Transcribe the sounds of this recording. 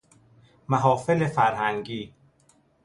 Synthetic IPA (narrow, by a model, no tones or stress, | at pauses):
mæɦɒːfelefæɾhæŋɟiː